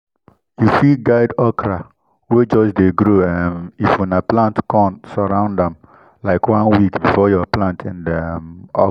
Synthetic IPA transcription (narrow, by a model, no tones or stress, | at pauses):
jufiɡaɪdɔkɾa | wed͡ʒɔsdeɡɾoãnifwĩnaplãntkɔ̃ntsɔɾãʊ̃ndãm | laɪkwãnwikbifɔjɔaplãntʰɛ̃ndmɔ